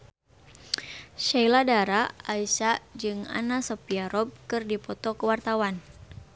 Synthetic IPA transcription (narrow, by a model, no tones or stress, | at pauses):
ʃailadaɾaːisad͡ʒɨŋa̰nasɔpiaɾɔb̚kɨrdipɔt̪ɔkəwart̪awan